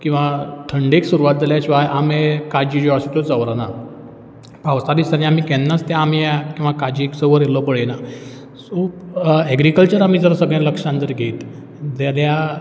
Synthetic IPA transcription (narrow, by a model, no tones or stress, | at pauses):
kĩw̃ʋaʈʰəɳɖeksuɾuʋat̪̚d͡zaljat͡ɕiʋajʔamẽkad͡ʑid͡ʑasit̪ot͡səʋɾana | pawsad̪isanĩam̤iːkɛ̃nːast̪jãːm̤iakĩw̃ʋakad͡ʑiksəʋəɾjelɔpəɭena | supɛɡɾikəlt͡ɕəɾam̤iːd͡zəɾsəɡɭẽləkʂãnd̪əɾɡʱet̪ | d͡zalja